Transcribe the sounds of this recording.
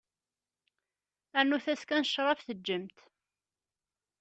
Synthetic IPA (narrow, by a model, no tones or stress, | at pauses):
ænːuθæskænəʃːɾˤɑfθəd͡ʒːəmt̪